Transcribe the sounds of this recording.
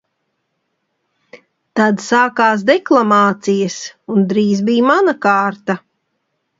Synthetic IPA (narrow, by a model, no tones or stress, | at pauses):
t̪ad̪saːkaːs̬d̪ɛklˠamaːt̪sijɐsund̪ɾiːzbijmanakaːɾt̪a